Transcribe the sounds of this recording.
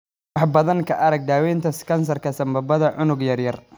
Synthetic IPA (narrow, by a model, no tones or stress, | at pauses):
wɑħbɐðɐŋkʰɐʔɐɾɐɡ̚d̪aːwɛːnt̪ʰɐskʰɐns̬ɐrkʰɐsɐmbɐbɐðɐʕʊnʊɡjɐrjɐr